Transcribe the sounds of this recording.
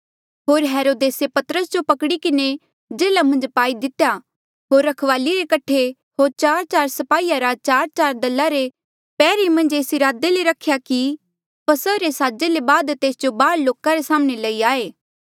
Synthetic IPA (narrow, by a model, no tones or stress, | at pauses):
ɦoːɾɦeːɾoːd̪eːsepɐt̪əɾəsd͡ʒopɐkɽikɪne | d͡ʒeːlamɐ̃nd͡ʒpaːid̪ɪt̪eja | ɦoːɾːɐkʰʋaːliɾekɐʈʰe | ɦoːɾt͡ʃaːɾt͡ʃaːɾsɐpaːiːjaɾat͡ʃaːɾt͡ʃaːɾd̪ɐlːaɾe | pɛːɾimɐ̃nd͡ʒeːsiɾaːd̪eleɾɐkʰjaki | pɐsəɾesaːd͡ʒelebaːd̪t̪eːsd͡ʒobaːɽloːkaɾesaːmñelɐiaːeː